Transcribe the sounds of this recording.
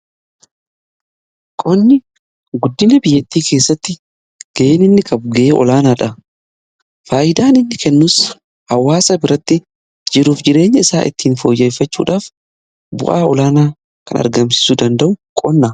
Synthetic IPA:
kʼɔnːɪ | ɡʊd̪ːɪnɐbɪjːɛt̪ːiːke̞ːsːɐt̪ːɪ | ɡ̥ɐʔeːnɪnːɪkʰʼɐbʊɡɐʔeːʔɔ̰laːnaːᶑɐ | faːʔɪd̪aːnɪnːɪkɛnːuːs | hɐwːaːsɐbɪɾɐt̪ːɪ | d͡ʒɪɾuːfd͡ʒɪɾe̞ːɲːɐɪsaːʔɪ̰t̪ːiːnfoːjːɛjfɐt͡ʃːṵːᶑaːf | bʊ̰ʔaːɔlaːnaː | kɐ̰nɐ̰ɾɡɐmsɪ̥sud̪ɐnd̪ɐʔʊkʼɔnːɐ

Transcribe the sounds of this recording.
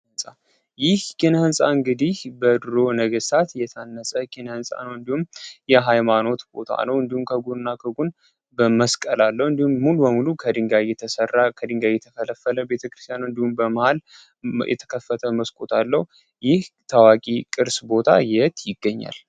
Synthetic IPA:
ɨnsʼa | jɪhkʰenəhɨnsʼa̰ɨŋɡɨd̪ihbəd̪ɨɾo̞nəɡəsat̪jɛt̪ʰanːəsʼəkʰenəhɨnsʼa̰nəwɨnd̪ihumjɛɦajmano̞t̪bo̞̰t̪ʰa̰nəwɨnd̪ihumkʰəɡunnːakʰəɡun | bəməskʼəlalːəwɨnd̪ihumːulubəmulukʰəd̪ɨŋɡajɛt̪ʰəsərːakʰəd̪ɨŋɡajɛt̪ʰəfələfːələbe̞t̪ʰəkɾɨst̪ʰjanɨnd̪ihumbəməhal | jʔɛ̰t̪ʰə̥kʰəfːət̪ʰəməskʼot̪ʰalːəhu | jɪht̪ʰawakʼikʼɨɾsbo̞t̪ʰa̰jɛht̪jɪɡːəɲːa̰l

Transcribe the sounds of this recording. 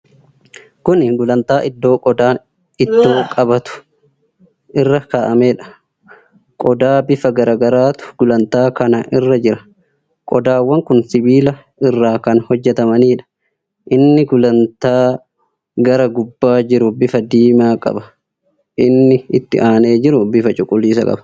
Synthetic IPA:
kʊnɡʊlɐnt̪aːʔɪd̪ːo̞ːkʼɔd̪aːn | ɪd̪ːo̞ːkʼɐbɐt̪ʊ̥ | ʔɪrːɐkaːʔɐmeːᶑɐ̥ | kʼɔd̪aːbɪfɐɡɐɾaːɡɐɾaːt̪ʊ̥ɡ̥ʊlɐnt̪aːkɐnɐʔɪrːɐd͡ʒɪɾɐ̥ | kʼɔd̪aːwːɐŋkʊnsɪbiːlɐ | ɪrːaːkɐnhɔd͡ʒːɛt̪ɐmɐniːᶑɐ̥ | ʔɪnːɪɡʊlɐnt̪aː | ɡɐɾɐɡʊbːaːd͡ʒɪɾʊbɪfɐd̪iːmaːkʼɐ̰bɐ | ʔɪnːɪɪt̪ːɪ̰ʔaːne̞ːd͡ʒɪɾʊbɪfɐt͡ʃʼʊkʼʊliːsɐkʼɐ̰bɐ̥

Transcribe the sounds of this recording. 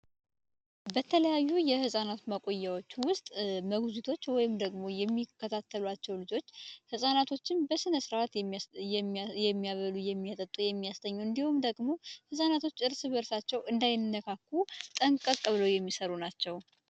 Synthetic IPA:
bət̪ʰələjajːujɛhɨsʼanat̪məkʼo̞jːawo̞t͡ʃːwʊst̪ʼməɡzut̪ʰo̞t͡ʃːwɔjɪmd̪əɡmo̞jɛmːikʰːət̪ʰat̪ʰːəlwat͡ʃːɛwlɨd͡ʒo̞t͡ʃːhɨsʼanat̪ʰo̞t͡ʃːɪnbəsɨnəsɨɾat̪ | jɛmːijaβəlujɛmːijat̪ʼət̪ʼujɛmːijast̪ʰəɲːuɨnd̪ihumd̪əɡmo̞hɨsʼanat̪ʰo̞t͡ʃːɨɾsɨβəɾsat͡ʃːɛwɨnd̪ajnnːəkʰakːut̪ʼəŋkʼəkʼːɨβɨləwjɛmːisəɾunat͡ʃːɛw

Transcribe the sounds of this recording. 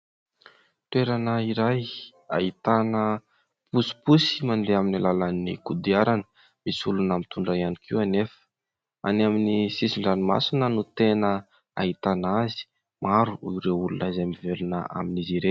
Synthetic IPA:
ʈ͡ʂeɾanəiɾaj | a̰it̪anə | pusi̥pusi̥mand̪eaminalalanḭkud̪iaɾanə̥ | misulunamit̪uɳɖ͡ʐaianikʰianefə̥ | a̰naminisisiɳɖ͡ʐanima̰sinənut̪enə | a̰it̪anazi̥ | maɾuiɾeulunazamivelunə̰a̰miniziɾe

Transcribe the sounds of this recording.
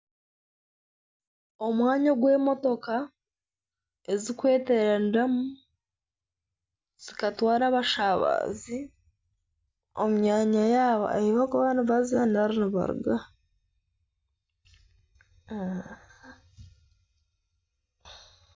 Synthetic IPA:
o̞mwaːɲaɡwe̞ːmo̞to̞ka | ezikwe̞ːteɾandamu | z̥ikatwaːɾaβaʃaβa̰ːzi | omuɲaːɲajaːβa̰eiβakuβaniβazandaɾuniβa̰ɾṵɡa

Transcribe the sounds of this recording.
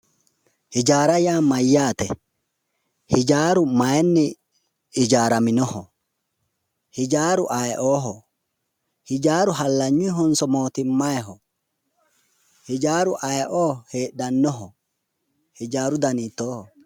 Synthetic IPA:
hɪd͡ʒaːɾɐjaːmɐjːaːt̪ɛ | hɪd͡ʒaːɾʊmɐjnːɪ | ɪd͡ʒaːɾɐmɪnɔhɔ | hɪd͡ʒaːɾʊʔajʔoːɦɔ | hɪd͡ʒaːɾʊɦɐlːɐɲːʊɦɔnsɔmoːt̪ɪmːajɦɔ | hɪd͡ʒaːɾʊʔajʔoːheːɗɐnːɔɦɔ | hɪd͡ʒaːɾʊd̪ɐniːt̪ːoːhɔ

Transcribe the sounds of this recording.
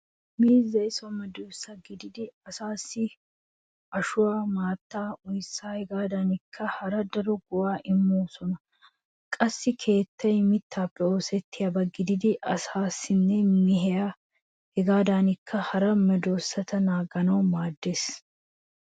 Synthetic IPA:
miːzːɐjsɔmɛd̪oːsːɐɡɪd̪ɪd̪ɪɐsaːsːɪ | ɐʃʊwaːmaːt̪ːaːʊjsːaːhɛɡaːd̪aːnɪkːɐhɐɾɐd̪ɐɾɔɡʊwaːʔɪmːoːsɔnɐ | kʼɐsːɪkʰe̞ːt̪ːɐjmɪt̪ʰːaːpːɛo̞ːsɛt̪ːɪjabɐɡɪd̪ɪd̪ɪʔɐsaːsːɪnːɛmɪɦɛa | hɛɡaːd̪aːnɪkːɐhɐɾɐmɛd̪o̞ːsːɐt̪ɐnaːɡɐnɐwmaːd̪ːeːs

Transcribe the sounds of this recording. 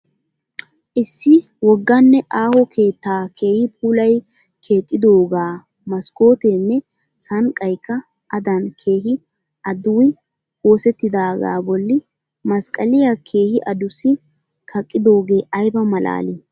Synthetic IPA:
ʔɪsːɪ | wɔɡːɐnːɛʔaːhɔkʰe̞ːt̪ːaːkʰe̞ːhɪpʰʼuːlɐj | kʰe̞ːt̪ʼːɪd̪o̞ːɡaː | mɐsko̞ːt̪eːnːɛ | sɐŋkʼːɐjkːɐ | ʔɐd̪ɐnkʰe̞ːɦɪ | ʔɐd̪ʊwj | woːsɛt̪ːɪd̪aːɡa̰ːbɔlːɪ | mɐskʼɐlɪjakʰe̞ːhɪʔɐd̪ʊsɪ | kʰɐkʼːɪd̪o̞ːɡe̞ːʔɐjbɐmɐla̰ːleː

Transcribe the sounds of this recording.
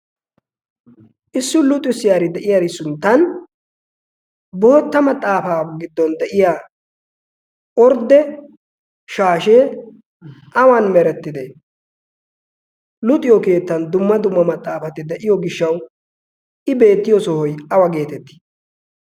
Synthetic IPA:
ʔɪsːʊlʊt̪ʼːʊsɪjaːɾɪd̪ɛʔɪjaːɾɪsʊnt̪ːɐn | boːt̪ːɐmɐt̪ʼːaːfaːɡɪd̪ːɔnd̪ɛʔɪjaː | ʔɔɾd̪ɛ | ʃaːʃeː | ʔɐwanmɛɾɛt̪ːɪd̪e | lʊt̪ʼːɪjɔke̞ːt̪ːɐnd̪ʊmːɐd̪ʊmːɐmɐt̪ʼːaːfɐt̪ɪd̪ɛʔɪjɔɡɪʃːɐw | ʔɪbe̞ːt̪ːɪjɔsɔhɔjɐwɐɡe̞ːt̪ɛt̪ːi̥

